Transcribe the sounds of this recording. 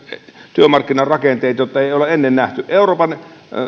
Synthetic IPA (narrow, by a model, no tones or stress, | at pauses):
t̪yømɑrkːinɑrɑkent̪ˑeˑit̪ɑjot̪ːɑeˑioleʔenːennæht̪yʔʔeˑuroːpɑn